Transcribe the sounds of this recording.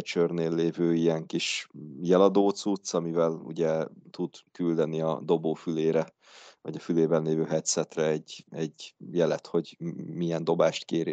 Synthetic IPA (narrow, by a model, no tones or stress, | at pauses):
t͡ʃørneːlːeːvøːiɛŋkiʃjɛlɒd̪oːt̪sut̪sɒmivɛlṵɟɛt̪ud̪kyld̪ɛniɒ̰d̪o̞boːfyleːɾɛ | vɒɟɒfyleːbɛnleːvøːɦɛt̪sɛt̪rɛɛɟːɛɟjɛlɛt̪ho̞ɟmiɛnd̪o̞baːʃt̪keːɾi